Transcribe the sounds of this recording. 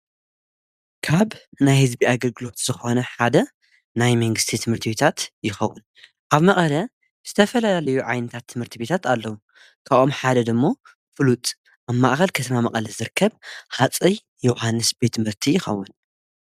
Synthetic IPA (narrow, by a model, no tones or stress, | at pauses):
kʰaβnajhɨzbiaɡɐlɡɨlo̞t̪z̥ɨxo̞nɐħad̪ɐ | najmɐŋɡɨst̪ʰit̪ʰɨmhɨɾt̪ʰibe̞t̪ʰat̪jɪxɐwːʊn | ʔaβmɐʔʼɐlɐ | z̥ɨt̪ʰɐfɐlalalɐjuʕajnɐt̪ʰat̪ʰːɨmhɨɾt̪ʰibe̞t̪ʰat̪alːɐwu | kʰaʔomħad̪ɐd̪ɨmːo̞ | fɨlut̪ʼ | ʔaβmaʔxɐlkʰɐt̪ʰɐmamɐqʼɐlɐzɨɾɨkʰːɐβhat͡sʼij | johanːɨsbet̪ʰːɨmhɨɾt̪ʰijɪxɐ̰wːʊn